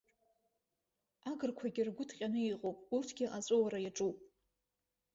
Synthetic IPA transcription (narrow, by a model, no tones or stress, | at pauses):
aɡɨrkʷʰaɡʲɪrɡʷʊtʰqʲʼanɨiqʼopʼurtʰɡʲɪʔat͡sʷʼowaɾajaʈ͡ʂʼupʼ